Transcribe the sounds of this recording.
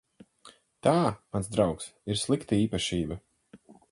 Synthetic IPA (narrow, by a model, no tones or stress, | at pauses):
t̪aːmansd̪ɾawksiɾslˠikt̪aiːpaʃiːbɐ